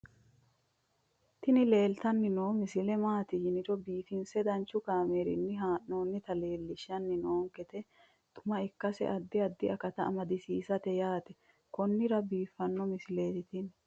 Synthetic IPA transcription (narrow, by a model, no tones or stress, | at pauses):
t̪ɪnɪle̞ːlt̪ɐnːɪnoːmɪsɪlɛmaːt̪ɪjɪnɪɾɔbiːfɪnsɛd̪ɐnt͡ʃːʊkaːmeːɾɪ̰nːɪɦaːʔnoːnːɪt̪ɐle̞ːlːɪʃːɐnːɪnoːŋkɛt̪ɛ | t̪ʊmɐɪkːɐsɛ̰ʔɐd̪ːɪɐd̪ːɪɐkɐt̪ɐːmɐd̪ɪsiːsɐt̪ɛjaːt̪ɛ | kɔnːɪɾɐbiːfːɐnːɔmɪsɪle̞ːt̪ɪt̪ɪn